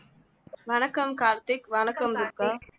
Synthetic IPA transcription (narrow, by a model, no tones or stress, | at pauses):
ʋɐnɐkːɐmkaːɾt̪ɪkʋɐnɐkːɐmd̪ʊkːa